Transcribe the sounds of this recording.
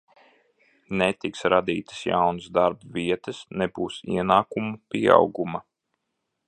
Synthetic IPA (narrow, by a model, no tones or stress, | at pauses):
net̪iksɾad̪iːt̪ɨ̥sja̰wnsd̪aɾbvʲiɛt̪ɨsnɛbuːsḭɛnaːkumupʲia̰wɡumɐ